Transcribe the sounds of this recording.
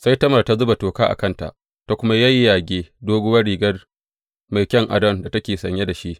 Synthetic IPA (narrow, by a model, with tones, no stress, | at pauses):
sa˦jtɐ˦mɐ˨rta˦zʊ˦ba˨toː˨kaː˦ʔa̰˨kɐ˦nta̰˨ʔ | ta˨kʷʊ˦ma˦jɐ˦jːaː˨ɡʲeː˦doː˦ɡʊ˦wɐ˦rɽiː˨ɡɐ˦r | ma˨jkʲɐ˦ŋʔa̰˨dɐ˦nda˨tɐ˦kʲeː˨sɐ̰˨ɲje˦da˨ʃi˦ʔ